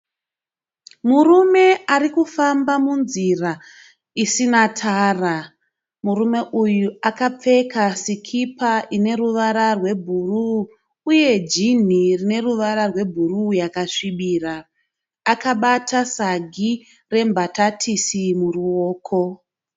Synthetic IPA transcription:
murume̞arikufambamunzira | isinatʰara | murume̞ʔujuakap͡fe̞kasikʰipaʔine̞ɾuʋaɾarwe̞bʱuruː | je̞d͡ʒin̤irine̞ruʋaɾarwe̞bʱurujakaʂiɓiːraː | kaɓatasaɡʱi | re̞mbʱatatʰisimuruoːkʰo̞

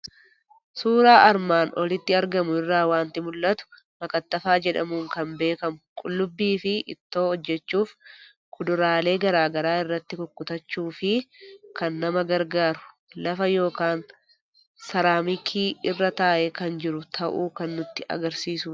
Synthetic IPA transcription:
suːɾaːʔɐɾmaːnɔlɪt̪ːɪɐɾɡɐmʊɪrːaːwaːnt̪ɪmʊlːʔɐt̪ʊ̥ | mɐkʼɐt̪ːɐfaːd͡ʒɛᶑɐ̰muːŋkɐmbe̞ːkɐmʊkʼʊlːʊbːiːfɪʔɪ̰t̪ːo̞ːɔd͡ʒːɛt͡ʃːuːf | kʊd̪ʊɾaːle̞ːɡɐɾaːɡɐɾaːɪrːɐt̪ːɪkʊkːʊt̪ɐt͡ʃːuːfɪkɐnːɐmɐɡɐɾɡaːɾʊ̥ | lɐfɐjo̞ːkaːn | sɐɾaːmɪkʰiːɪrːɐt̪aːʔɛkɐnd͡ʒɪɾʊt̪ʰɐʔṵːkɐnːʊt̪ːɪʔɐ̰ɡɐɾsiːsʊ

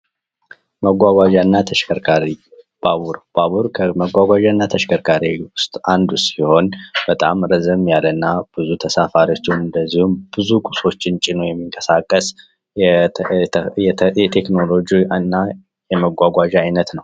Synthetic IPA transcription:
məɡʷaɡʷaʒanːat̪ʰəʃkəɾkʰaɾi | b̥aβuɾb̥aβuɾkʰəməɡʷaɡʷaʒanːat̪ʰəʃkʰəɾkʰaɾiwʊst̪ʼand̪usiho̞nb̥ət̪ʼamɾəzɨmjalənːab̥ɨzut̪ʰəsafaɾiot͡ʃːɪnɨnd̪əzːihumb̥ɨzukʼuso̞t͡ʃːɪnt͡ʃʼɪnojɛmːiŋkʼə̥sakʼːəs | ɛɛt̪ʰekno̞lo̞d͡ʒiɨnːa | jɛməɡʷaɡʷaʒajnət̪nəw

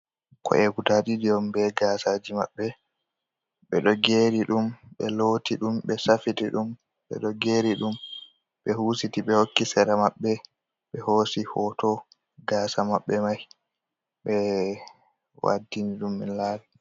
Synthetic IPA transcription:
kɔ̰ʔɛɡutaɗidijɔmbɛɡaːsad͡ʒima̰ɓːɛ | ɓɛɗɔɡeːɾiɗumɓɛlotiɗumɓɛsafitiɗum | ɓɛ̰ɗɔɡeːɾiɗum | ɓɛhuːsitiɓɛhokːisɛɾamaɓːɛ | ɓɛhoːsihɔtɔ | ɡaːsamaɓːɛmaj | ɓɛ | wa̰dːiniɗumːɛ̰nlaːli

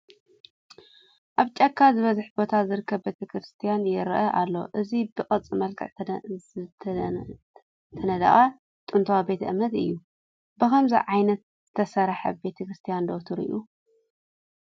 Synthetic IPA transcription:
ʔaβt͡ʃʼɐkʰːazɨβɐzɨħbo̞t̪ʰazɨɾɨkʰːɐβbe̞t̪ʰɐkʰɾɨst̪ʰijanjɪɾʔɐʔa̰lːo̞̰ʔɨzibɨkʼɐt͡sʼːɨmɐlkʰɨ̰ʕʰ | t̪ʰɐnɐd̪a̰ʔʼa | t̪ʼɨnt̪ʰɐwabe̞t̪ʰʔɨmɐt̪ɨ̰jːu | bɨkɐmzḭʕajnɐt̪̚z̥ɨt̪ʰɐsɐɾħɐbe̞t̪ʰɐkɾɨst̪ʰijand̪ot̪ʰuɾɨ̰ʔu

